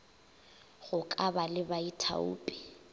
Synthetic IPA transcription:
ɣʊkʼabalɪbaitʰa̰ṵːpʼɪ̥

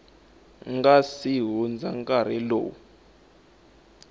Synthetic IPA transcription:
ŋɡasiɦund͡zaŋkʼaɾ̤ɛlo̰ːu

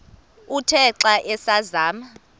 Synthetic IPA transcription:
utʰɛǁaʔɛsazaːma

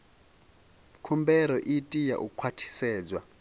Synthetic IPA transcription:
kʰumbɛɾɔʔitʼija̰ʔukʰwatʰi̥sɛːd͡zwa

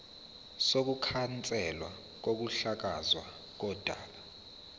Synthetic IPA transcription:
sok̬ukʰant͡sʼɛlwa | k̬ok̬uɬak̬azwa | k̬ɔd̥ʱaːɓa

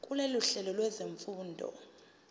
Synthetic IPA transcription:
kʼuleluɬɛlɔlwɛzeɱfuːndʱɔ̰

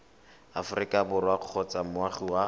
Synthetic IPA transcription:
afʊrikʼabʊɾwaq͡χʰɔt͡samʊwaχiwa

